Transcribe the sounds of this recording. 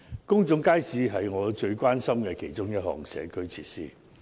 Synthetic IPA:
kʊ˥ŋt͡sʊ˨˥ŋkaː˥jsiː˨˧ɦɐ˨jŋɔː˨˧t͡ʃɵ˧ɥkʷwaː˥nsɐ˥mkɛ˧kʰe˨˩jt͡ʃʊ˥ŋjɐ˥t̚ɦɔ̰ː˨ŋsɛ̰ː˨˧kʰɵ˥ɥt͡sʰiː˧˥t̚siː˥

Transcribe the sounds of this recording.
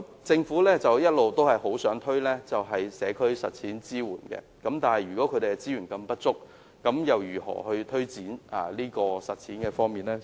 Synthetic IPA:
t͡sɪ˧ŋfuː˨˥lɛː˥t͡sɐ˨wjɐ˥t̚lo˨wt̪o˥wɦɐ˨jɦo˨˥wsœː˨˥ŋt̪ʰɵ˥ɥlɛː˥t͡sɐ˨wɦɐ˨jsɛː˨˧kʰɵ˥ɥsɐ˨t̚t͡sʰiː˨˥nt͡siː˥wuː˨˩nkɛ̰ː˧kɐ˨˥mt̪aː˨nhɐ˨˩jyː˨˩kɔː˨˥kʰɵ˨˧ɾe˨ɛ˧˥t͡siː˥jyː˨˩nkɐ˧mpɐ˥t̚t͡sʊ˥k̚ː | ɐ˨˥mjɐ˨wjyː˨˩ɦɔ̰ː˨˩hɵ˧t̪ʰɵ˥ɥt͡siː˨˥naː˨liː˥kɔː˧sɐ˨t̚t͡sʰiː˨˥nkɛː˧fɔː˥ŋmiː˨nlɛː˥

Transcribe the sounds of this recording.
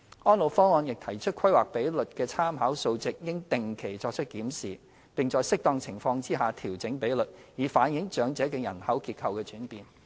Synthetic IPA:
ɔː˥nlo˨˩wfɔː˥ŋɔː˧njɪ˨k̚t̪ʰɐ˨˩jt͡ʃʰɵ˥t̚kʰɐ˥jwa̰ː˨k̚pe˨˥jlɵ˨t̚kɛː˧t͡sʰaː˥mɦaː˨˥wso˧wt͡sɪ˨k̚jɪ˥ŋt̪ɪ˨ŋkʰe˨˩jt͡ʃɔː˧k̚t͡ʃʰɵ˥t̚kiː˨˥msiː˨˩ | pɪ˨˩ŋt͡sɔː˨jsɪ˥k̚t̪ɔː˧ŋt͡sʰɪ˨˩ŋfɔː˧ŋt͡siː˥ɦaː˨t̪ʰiː˨˩wt͡sɪ˨˥ŋpe˨˥jlɵ˨t̚jiː˨faː˨˥njɪ˨˧˥ŋt͡ʃœː˨˥ŋt͡sɛː˨˥kɛː˧jɐ˨˩nhɐ˨˥wkiː˧t̚kʰɐ˧wkɛː˧t͡ʃyː˨˥npiː˨n

